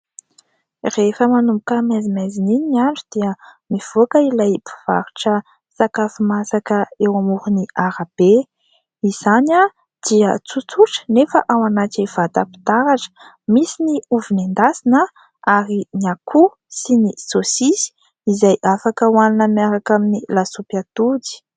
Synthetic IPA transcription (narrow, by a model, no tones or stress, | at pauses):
refəmanumbukəmezimezininiiaɳɖ͡ʐud̪̥iəmiv̥okəilajpʰi̥v̥a̰ɾu̥ʈ͡ʂə | sakafimasakəewamuɾuniaɾab̥e | iz̥ana | d̪̥iət͡sut͡suʈ͡ʂə̥nefəʔawanat̪iv̥at̪api̥t̪aɾaʈ͡ʂə̥ | misiniuvinend̪asinə | aɾinakʰu | sinisosisi̥ | izajʔafakəwaninəmiaɾakaminilasupjat̪udi̥